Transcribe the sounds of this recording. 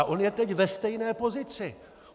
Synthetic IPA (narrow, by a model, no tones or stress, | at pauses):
ʔo̞njɛt̪ɛcvɛst̪ɛjnɛːpo̞zɪt͡sɪ